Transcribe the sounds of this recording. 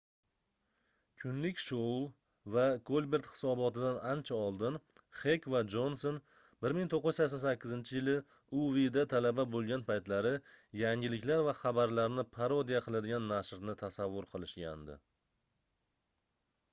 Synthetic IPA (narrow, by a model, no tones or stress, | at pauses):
kʲʰʊnlɪkʲʃolˠ | vaɡolʲˠbe̞ɾt̪hɪ̥sɒbɒt̪ɪd̪anant͡ʃʰaɒlˠd̪ɪn | χekvad͡ʒo̞nson | bɪɾmɪŋt̪ʰoqːɪz̥sasɒnsakʲːɪzɪnt͡ʃʰɪjɪlɪ | ʊvid̪at̪ʰalababolˠɡʲanpʰajt̪laɾɪjaŋʲɪlɪkʲlaɾvaχɑbaɾlaɾnɪpʰaɾod̪ijaqʰɨlˠad̪ɪɡʲanːaʃɾnɪt̪ʰasavːʊɾqʰɨlˠɪʃɡʲa̰nd̪ɪ̰